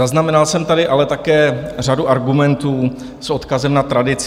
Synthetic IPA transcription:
aznamɛnalsɛmt̪adɪʔalɛt̪akɛːr̝aduʔaɾɡumɛnt̪uː | sʔo̞t̪kazɛmnat̪ɾadɪt͡s

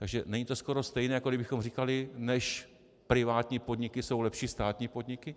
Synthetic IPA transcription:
t̪aɡʒɛnɛɲit̪o̞sko̞ɾo̞st̪ɛjnɛːjakodɪbɪxo̞mrikalɪnɛʃ | pɾɪvaːt̪ɲiːpo̞d̪ɲɪkɪso̞wlɛpʃiːst̪aːt̪ɲiːpo̞d̪ɲɪkɪ

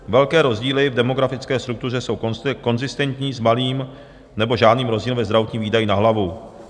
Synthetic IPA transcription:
vɛlkɛːɾo̞zɟiːlɪvdɛmo̞ɡɾafɪt͡skɛːst̪ɾuk̚t̪ur̝ɛso̞wkko̞nzɪst̪ɛnt̪ɲiːzmaliːm | nɛbo̞ʒaːdniːmɾo̞zɟiːlvɛzd̪ɾavot̪ɲiːmviːdajinaɦlavu

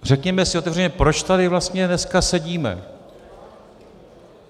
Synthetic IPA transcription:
r̝ɛkɲɛmɛsɪʔot̪ɛvrɛɲɛpɾo̞t͡ʃt̪adɪvlast̪ɲɛnɛskasɛɟiːmɛ̰

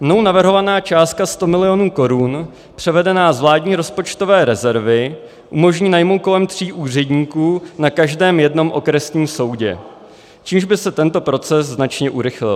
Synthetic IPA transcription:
mnownavrɦo̞vanaːt͡ʃaːst̪̚kast̪o̞mɪlɪjo̞nuːko̞ɾun | pr̝̥ɛvɛdɛnaːzvlaːdɲiːɾo̞spo̞t͡ʃt̪o̞vɛːɾɛzɛɾvɪ | ʔumo̞ʒɲiːnajmo̞wt̪̚ko̞lɛmt̪r̝̥iːʔuːr̝ɛdɲiːkuːnakaʒdɛːmjɛdno̞mʔo̞kɾɛsɲiːmso̞wɟɛ̰ | t͡ʃiːmʒbɪsɛt̪ɛnt̪o̞pɾo̞t͡sɛsznat͡ʃɲɛʔuɾɪxlɪ̰l

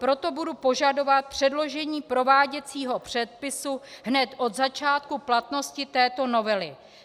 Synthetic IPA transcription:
pɾo̞t̪o̞budupo̞ʒado̞vat̪̚pr̝̥ɛdlo̞ʒɛɲiːpɾo̞vaːɟɛt͡siːɦo̞pr̝̥ɛt̪̚pɪsuɦnɛt̪ʔo̞d̪zat͡ʃaːt̪̚kuplat̪no̞scɪt̪ɛːt̪o̞no̞vɛlɪ

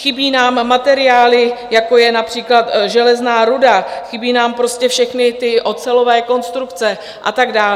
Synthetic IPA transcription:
xɪbiːnaːmːat̪ɛɾɪaːlɪjako̞jɛnapr̝̥iːklat̪ʒɛlɛznaːɾudaxɪbiːnaːmpɾo̞scɛfʃɛxnɪt̪ɪʔo̞t͡sɛlo̞vɛːko̞nst̪ɾukt͡sɛ | ʔat̪aɡdaːl

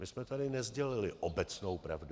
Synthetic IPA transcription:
mɪsmɛt̪adɪnɛzɟɛlɪlɪʔobɛt͡sno̞wpɾa̰vdu

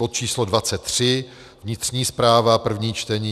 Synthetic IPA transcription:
ot̪̚t͡ʃiːslodvat͡sɛt̪ːr̝̥ɪ | vɲɪt̪r̝̥ɲiːspɾaːvapr̩vɲiːt͡ʃt̪ɛɲiː

